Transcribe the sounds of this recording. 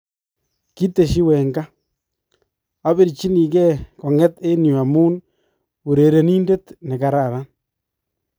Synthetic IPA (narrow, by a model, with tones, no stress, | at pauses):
ki˦te˨ʃi˦wɛ˨ŋɡa˦ | a˦be˦˨ɾt͡ʃi˦ni˨kɛ˦kɔ˨ŋɛ˦te˦nu˨a˨muː˦n | u˨ɾe˨ɾe˨ni˦nde˦tnɛ˨ka˨ɾa˨ɾa˦n